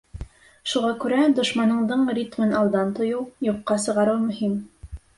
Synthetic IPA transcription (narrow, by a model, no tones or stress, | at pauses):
ʃuʁɑkʉɾæd̪ŏʃmɑnɤ̆ɴd̪ɤɴrʲit̪mɘnɑlˠd̪ɑnt̪ŏjɤwjuqːɑsɤ̆ʁɑɾɤwmɵ̆him